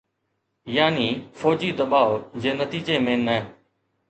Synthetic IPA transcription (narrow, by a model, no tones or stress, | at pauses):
jaːniːfɔːd͡ʑiːd̪əɓaːʋd͡ʑeːnət̪iːd͡ʑeːmẽːnɛː